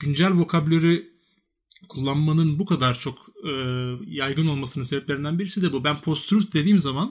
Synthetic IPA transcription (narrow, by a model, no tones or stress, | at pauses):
ɟ̥ynd͡ʒælʲvo̞kʰablʲeɾi | kʰulˠːanmanɯnbukʰad̪aɾt͡ʃʰo̞kɯjajɡɯno̞lˠmasɯnɯneɛplʲeɾind̪ænbiɾisid̪ɛbubænpʰo̞st̪ɾyft̪̚d̪e̞d̪iːmzaman